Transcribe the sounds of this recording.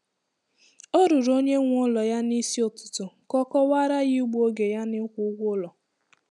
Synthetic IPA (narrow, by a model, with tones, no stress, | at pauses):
o˦ɾu˨ɾo˦ɲe˦ŋʷ˦ɔ˦lɔ˨ja˦ni˦si˦o˨tʊ̥˨tʊ˨kɔ˦kɔ˦wa˦ɾa˦jɪ˦u˦ɡ͡bo˦ɡe˨ja˦nɪ˦kʷʊ˦ʊ˦ɡʷʊ˦lɔ˨